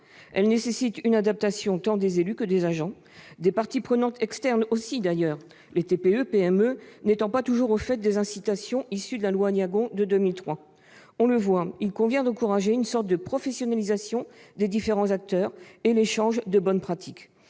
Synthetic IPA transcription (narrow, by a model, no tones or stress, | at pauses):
ɛlnesesit̪ynad̪ap̚t̪asjɔ̃t̪ɑ̃d̪ezelykəd̪ezaʒɑ̃ | d̪epaʁt̪ipχənɑ̃t̪ɛkst̪ɛʁnosid̪ajœːʁ | let̪epeøpeɛmønet̪ɑ̃pat̪uʒuʁofɛt̪̚d̪ezɛ̃sit̪asjɔ̃isyd̪əlalwanjaɡɔ̃d̪əd̪ømilt̪χwa | ɔ̃ləvwailkɔ̃vjɛ̃d̪ɑ̃kuʁaʒeynsɔʁt̪̚d̪əpχɔfɛsjɔnalizasjɔ̃d̪ed̪ifeʁɑ̃zak̚t̪œːʁeleʃɑ̃ʒd̪əbɔnpχat̪ʰik